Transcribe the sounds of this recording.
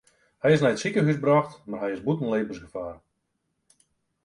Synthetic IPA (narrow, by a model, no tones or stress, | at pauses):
hɛjɪs̬nɛjətsikəɦysbrɔxtmarɦɛjɪszbutən̩leːvənsɡəfaːr